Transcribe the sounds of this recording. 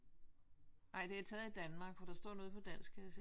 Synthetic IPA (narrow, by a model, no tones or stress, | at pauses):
ʔɑ̈ɪ̰d̥e̝æɐt͡sʰɛːð̩ˠid̥ænmɑ̈ːɡ̥ʋɒɾ̥ɑ̈sd̥ɔ̰ɐ̰no̝ðˠpʰɒ̽d̥æn̰sɡ̥ʰɛs